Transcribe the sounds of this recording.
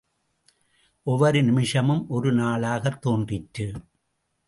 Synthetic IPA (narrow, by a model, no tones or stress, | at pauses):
ʔɔʋɐɾɯnɪmɪʂɐmɯmʔɔɾɯnaːɭaːɣɐt̪ːoːndrɪʈːɯ